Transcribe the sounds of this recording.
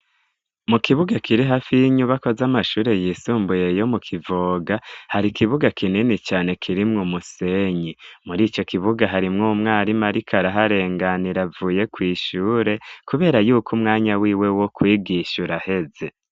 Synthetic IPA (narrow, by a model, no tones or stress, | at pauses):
mukiβuɡakʰiɾiɦaːfijiɲuβako̞zamaʃuːɾe̞jiːsuːmbuje̞jo̞mukʰivoɡahaɾikiβuɡakʰininit͡ʃaːne̞kʰiɾimŋumuse̞ɲimuɾiːt͡ʃo̞kʰiβuɡaɦaɾimŋumŋaːɾimaɾikʰaɾaɦaɾe̞ːŋɡaniɾavuːje̞kwiːʃuːɾe̞kuβe̞ːɾajuːkʰumŋaːɲawiːwe̞wo̞kwiːɡiʃuɾahe̞ze̞